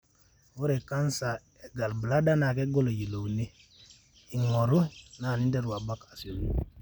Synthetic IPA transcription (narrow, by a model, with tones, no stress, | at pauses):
wo˦ɾe˨ka˦nsa˨ | e˨ɡa˨lbə˨la˦da˦na˨ke˦ɡo˦lo˨ji˨lo˨wne˦ | i˨ŋo˨ɾu˦na˨ni˦nde˦ɾu˨wa˨ba˦ka˨si˨lu˦